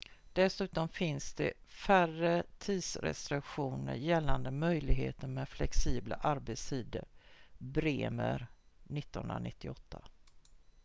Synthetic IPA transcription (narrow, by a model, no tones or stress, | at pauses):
d̪̥ɛsʉ̟ːt̪ɔmfɪnsd̪ɛ̰færət̪ʰiːd̪sɾɛ̰st̪ɾɪkɧuːnə̰ɾjɛlːand̪əmœjlɪɡɦḛːt̪əɾmɛːd̪flɛksiːbla̰ʔaɾbet̪st̪ʰiːd̪ə̰ɾbɾeːmə̰ɾnɪt̪ːənɵ̰nɾanɪt̪ːɪɔt̪ʰːa